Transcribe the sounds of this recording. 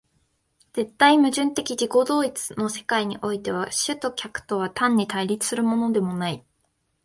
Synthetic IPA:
d͡z̥e̞t̪ːaimɯ̟ʑɨ̃nt̪e̞kʲid͡ʑiko̞d̪o̞ːit͡sɨ̥no̞se̞kaiɲ̟iʔo̞it̪e̞β̞aɕɨt̪o̞kʲakɯ̟̥t̪o̞β̞at̪ãɲ̟ːit̪aiɾʲit͡sɨ̥sɨɾɯ̟mo̞no̞d̪e̞mo̞nai

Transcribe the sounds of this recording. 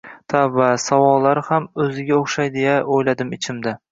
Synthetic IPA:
t̪ʰavasawɒlˠːaɾhamɵzɪɡʲaoχʃajd̪ejaojlad̪ɪmɪt͡ʃʰɪmd̪a

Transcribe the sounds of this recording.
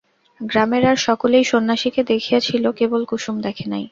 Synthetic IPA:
ɡɾameɾaɾʃɔkolejʃonːaʃiked̪ekʰijet͡ɕʰilokebolkuʃumd̪ɛkʰenaj

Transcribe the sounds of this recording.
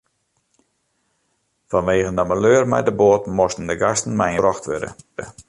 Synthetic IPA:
fɔnʋeːɣəndəməløːərmɛ̰jdəboːtmɔstən̩dəɡastən̩mɛjərɔxtʋø̰də̰də

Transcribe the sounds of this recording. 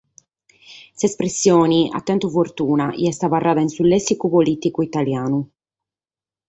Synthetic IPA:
sespɾesːjoːnia̰t̪ːɛnt̪ufort̪uːnaḭɛst̪avarːaːðainsulːɛsːikupolit̪ikuit̪aljaːnu

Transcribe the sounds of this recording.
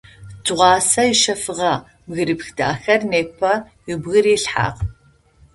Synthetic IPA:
tɨʁʷɑːsɐɪʃɐfɨʁɐ | mɣɨɾɨpxda̰ːxɐrneːpʰɐ | ɪbɣɨɾiːɬħa̰ːq

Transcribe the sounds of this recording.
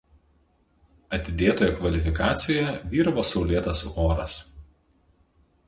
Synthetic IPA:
ɐt̪ʲɪd̪ʲeːt̪oːjɛkʋɐlʲɪfʲɪkɑːt̪sʲɪjɛʋʲiːɾɐʋoːsɔʊlʲeːt̪ɐsoːɾɐs

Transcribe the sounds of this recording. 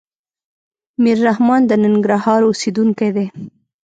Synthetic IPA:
miɾːahmɑnd̪ənɪŋɡɾahɑɾosed̪uŋkajd̪e

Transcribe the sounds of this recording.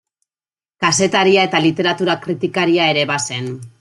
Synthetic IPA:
kase̞t̪aɾiae̞t̪alit̪e̞ɾat̪uɾakɾit̪ikaɾiae̞ɾe̞βase̞n

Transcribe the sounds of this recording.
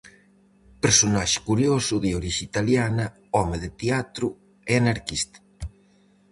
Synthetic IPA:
peɾsonaʃe̥kuɾjosuðeoɾiʃiit̪aljanɐ | ɔmeðet̪eat̪ɾu | eanaɾkist̪ḁ

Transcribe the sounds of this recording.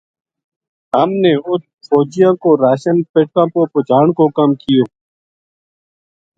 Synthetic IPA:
ɦəmneːʊt̪̚ | foːd͡ʒɪjãːkoːɾaːʃənpɪʈkãːpoːpʊd͡ʒʱaːɳkoːkəmkɪjoː

